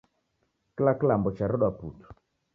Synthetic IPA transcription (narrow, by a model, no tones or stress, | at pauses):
klaklambʊt͡ʃaɾʊɗaputu̥